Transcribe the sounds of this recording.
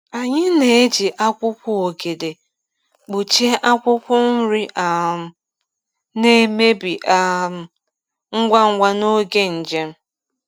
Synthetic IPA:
a˨ɲɪ˦ne˨e˦d͡ʒi˨ʔa˦kʷʊ˦kʷʊ˦o˨ɡe˨de˨ | k͡pu˨t͡ʃe˦ʔa˦kʷʊ˦kʷʊ˦n̩˦ɾi˦ʔa˨ | ne˦me˦bi˨ʔa˨m̩˨ | ŋ̩˦ɡʷa˦ŋ̩˦ɡʷa˦no˦ɡe˦n̩˨d͡ʒe˦m̩˦

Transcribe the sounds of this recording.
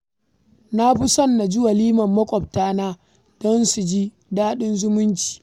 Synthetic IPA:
na˦bu˦sɐ˦nːa˨d͡ʒʊ˦wa˨liː˦mɐ˨mːɐ˦kʷʼɔ˨b̚taː˦naː˦ | d̥ɔ˦nsu˨d͡ʒi˦ | daː˦ɗɪ˦nzʊ˦mʊ˦nt͡ʃi̥ː˨

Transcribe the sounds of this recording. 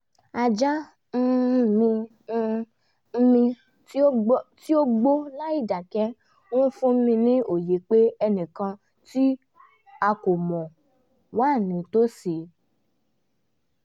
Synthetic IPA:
a˧d͡ʒa˦ | mĩ˧˦˧ | mĩ˧˦ | ti˦o˦ɡ͡bo˦la˦i˦˨da˨kɛ˦ | ɔ̃˦fũ˦m̩˦mĩ˧nĩ˦o˨je˨˦k͡pe˦ɛ˧nĩ˨kã˧ | ti˦ | a˧ko˨mɔ̃˨ | waː˦˨nĩ˨˦to˦si˨

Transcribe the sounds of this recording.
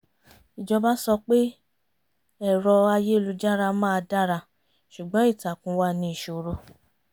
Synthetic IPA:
i˨d͡ʒɔ˧ba˦sɔ˧k͡pe˦ | ɛ˦˨ɾɔ˧a˧je˦˨lu˧d͡ʒa˦ɾa˧mãː˦˧da˦ɾa˧˨ | ʃu˨ɡ͡bɔ̃˨˦i˦˨ta˨kũ˨˧wa˦nĩ˧i˨ʃo˨ɾo˧˦

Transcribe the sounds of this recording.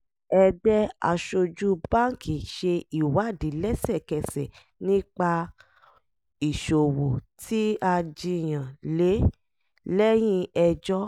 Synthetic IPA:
ɛ˧dɛ˦a̰˧ʃo˧d͡ʒu˦bã˦ŋ˦ki˨ʃe˧i˨wa˨˦˨di˨˦lɛ˦sɛ˦˨kɛ˧sɛ̰˨ | nĩ˦k͡pa˧ | i˨ʃo˨wo˨ti˦a˧d͡ʒi˧˨j̃ã˨le˨˦ | lɛ˦j̃ĩ˦ɛ˧d͡ʒɔ˦

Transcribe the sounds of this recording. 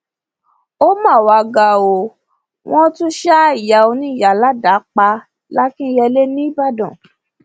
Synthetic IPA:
o˦mã˦˨wa˧ɡa˧˨o˧ | w̃ɔ̃˦tũ˦ʃa˦i˨ja˨˦o˧nĩ˦˨ja˨la˦da˨˦k͡pa˧ | la˦kĩ˦jɛ˧le˦nĩ˦ba˦˨dɔ̃˨

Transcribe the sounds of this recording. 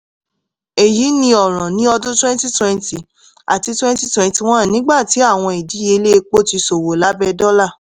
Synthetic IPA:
e˨ji˨˦nĩ˧ɔ˨ɾ̃ɔ̃˨nĩ˨˦ɔ˧dũ˦twɛ̃˦nti˦twɛ̃˧nti˨ | a̰˨ti˧twɛ̃˦n˦ti˦twɛ̃˧nti˧w̃ɔ̃˦˨nĩ˨˦ɡ͡ba˦˨ti˨˦a˦˨w̃ɔ̃˧e˨di˨˦je˧le˦˧k͡po˦ti˧so˨wo˨la˨˦bɛ˧dɔ˦la˦˨

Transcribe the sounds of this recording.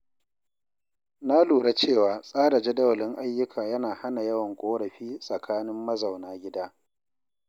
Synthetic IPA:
na˦luː˨ɽa˦t͡ʃeː˦˨waː˨˦sʼaː˦da˨d͡ʒɐ˦dɐ˦wlɪ˦ŋʔa˦jːʊ˦kʰaː˨jɐ˦naː˨ha˦na˨jɐ˦wɐ˨ŋkʷʼoː˦ɽɐ˨ɸiː˦sʼɐ˨kʰaː˦nɪ˦mːɐ˦zɐ˨wnaː˦ɡʲɪ˦daː˦

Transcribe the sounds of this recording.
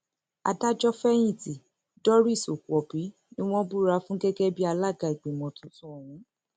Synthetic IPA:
a̰˧˨da˦d͡ʒɔ˦fɛ˦j̃ĩ˦˨ti˨ | dɔ˦ɾi˦˨so˨ku˨ɔ˨pi˨˦ | nĩ˦w̃ɔ̃˦bu˦ɾa˧fũ˦ɡɛ˦ɡɛ˦bi˦a˧la˦˨ɡa˨i˨ɡ͡be˨mɔ̃˨˧tũ˦sũ˦ɔ˨w̃ũ˨˦

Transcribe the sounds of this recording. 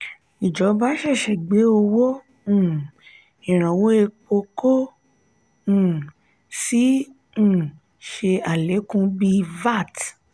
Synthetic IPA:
i˨d͡ʒɔ˨˦ba˦ʃɛ˦˨ʃɛ˨ɡ͡be˨˦o˧wõ˦˨ | ĩ˨ɾ̃ã˨wo˦e˧k͡po˧ko˦˨ | sĩ˦˨ | ʃe˧a˨le˨˦kũ˧bi˧va˦˨t

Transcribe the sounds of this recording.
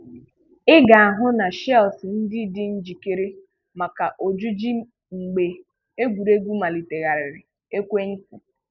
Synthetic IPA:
ɪ˦ɡa˨a˨ɦʊ˦na˨ʃɛ˦˨sɪ˨n̩˦dɪ˦dɪ˦n̩˦d͡ʒi˨ke˦ɾi˦ | ma˨ka˨ʔo˨d͡ʒu˦d͡ʒi˦ | ŋ͡m̩˨ɡ͡be˨ | e˦ɡʷu˨ɾe˦ɡʷu˦ma˨li˨te˨ɣa˨ɾɪ˨ɾɪ˨ | e˦kʷe˦ŋ̩˦kʷu˨

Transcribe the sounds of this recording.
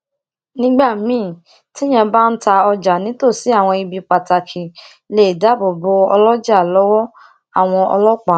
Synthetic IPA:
nĩ˦ɡ͡ba˦˨mĩː˦˨ | ti˦j̃ɛ̃˧ba˦n̩˦ta˧ɔ˧d͡ʒa˨nĩ˨˦to˦˨si˨˦a˦˨w̃ɔ̃˧i˧bi˧k͡pa˨ta˨kʰi˨ | le˨da˨˦bo˨bo˧ɔ˧lɔ˦d͡ʒa˦˨lɔ˨˦wɔ˦ | a˦˨w̃ɔ̃˧ɔ̰˧lɔ˦k͡pa˨

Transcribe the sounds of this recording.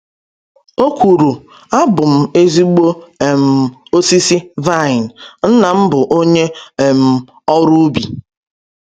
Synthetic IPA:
o˦kʷu˨ɾu˨ | a˦bʊ˨m̩˨e˦zi˦ɡ͡bo˦˨m̩˨o˦si˦si˦va˦˨ɪ˨n˨n̩˦na˨m̩˦bʊ˨ʔo˦ɲe˦˨m̩˨ | ɔ˦ɾu˦bi˨

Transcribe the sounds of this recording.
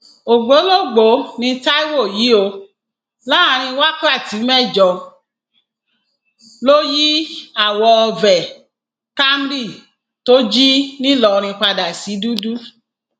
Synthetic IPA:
o˨ɡ͡bo˨˦lo˦˨ɡ͡bo˨˦nĩ˧ta˦i˦wo˦˨ji˨˦o˧ | la˦a˧ɾ̃ĩ˧wa˦ka˦˨ti˨˦mɛ̃˦˨d͡ʒɔ˧˨ | lo˦ji˦a˨wɔ˧vɛ˨ | ka˦m˦ɾi˦˨ | to˦d͡ʒi˦nĩ˦lɔ˨ɾ̃ĩ˧k͡pa˧da˨si˨˦du˦du˦

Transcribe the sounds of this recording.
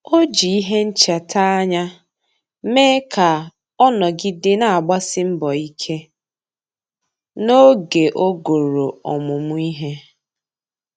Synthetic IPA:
o˦d͡ʒi˨i˦ɦe˦n̩˦t͡ʃa˨tʰa˦a˦ɲa˦ | meː˦kʰa˨ | ɔ˦nɔ˨ɡɪ˦dɪ˦na˨a˨ɡ͡ba˦sɪ˦m̩˦bɔ˨i˦kʰe˦ | no˦ɡe˨ʔo˦ɡo˨ɾo˨ɔ̰˨mʊ˨mʊ˦i˦ɦe˦

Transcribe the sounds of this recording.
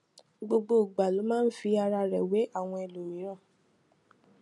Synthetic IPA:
ɡ͡bo˧ɡ͡bo˧˦˨ɡ͡ba˨lo˨˦mãː˦˨n̩˦fi˧a˧ɾa˧ɾɛ˨we˨˦a˦˨w̃ɔ̃˧e˧lo˨ɾi˨j̃ɔ̃˦˨

